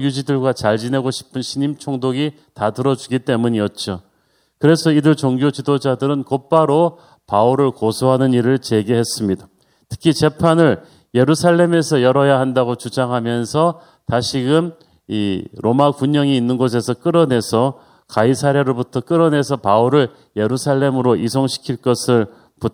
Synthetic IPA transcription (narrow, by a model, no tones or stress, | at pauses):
jud͡ʑidɯɭɡwat͡ɕaɭd͡ʑine̞ɡoɕʰi̥pʰɯnɕʰiɲimt͡ɕʰoŋdoɡi | tatɯɾʌd͡ʑuɡit͈e̞muɲiʌt̚t͡ɕ͈o | kɯɾe̞sʰʌidɯɭt͡ɕoŋɡjot͡ɕidod͡ʑadɯɾɯnkop͈aɾo | pauɾɯɭkosʰoɦanɯniɾɯɭt͡ɕe̞ɡeɦe̞s͈ɯmɲida | tʰɯ̥kʰit͡ɕe̞pʰanɯɭ | je̞ɾusʰaɭːe̞me̞sʰʌjʌɾʌjaɦandaɡot͡ɕud͡ʑaŋɦamjʌnsʰʌ | taɕʰiɡɯm | iɾʔomakuɲʌŋiːnːɯnɡos̬ʰe̞sʰʌk͈ɯɾʌne̞sʰʌ | kaisʰaɾjeɾobutʰʌk͈ɯɾʌne̞sʰʌpauɾɯɭ | je̞ɾusʰaɭːe̞mɯɾoʔisʰoŋɕʰi̥kʰiɭk͈ʌsʰɯɭ | put